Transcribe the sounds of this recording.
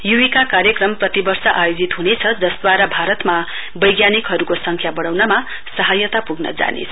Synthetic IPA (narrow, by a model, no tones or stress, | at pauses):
juwikakaɾjʌkrʌmprʌt̪ibʌrsʌʔajod͡zit̪ɦunet͡sʰʌd͡zʌsd̪waɾabʱaɾʌt̪ma | bʌjɡjanikɦʌɾukosʌŋkʰjabʌɽawnʌma | sʌɦajʌt̪apuɡnʌ̰d͡za̰nḛsʰʌ